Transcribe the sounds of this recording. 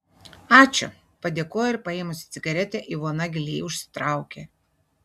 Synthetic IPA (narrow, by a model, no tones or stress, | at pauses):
ɑːt͡ʃʲʊ̰ | pɐd̪ʲeːkoːjoɪɾpɐeːmʊsʲɪt̪sʲɪɡɐɾʲɛt̪ʲɛʔɪʋoɔnɐɡʲɪlʲiːʊʃʲsʲɪ̥t̪ɾɑˑʊkʲe